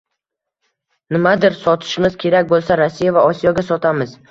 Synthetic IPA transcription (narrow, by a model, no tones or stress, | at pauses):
nɪmad̪ɪɾsɒt̪ʰɪ̥ʃmɪzkʲʰe̞ɾakʲbolˠsaɾasːijavaɒsijɒɡʲasɒt̪ʰamɪz